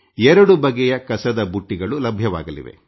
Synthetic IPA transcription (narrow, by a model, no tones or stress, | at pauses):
ɛɾɐɽubɐɡɛjɐkɐsɐd̪ɐbuʈːiɡɐɭulɐbʱjɐʋa̰ːɡɐlḭʋe̞̰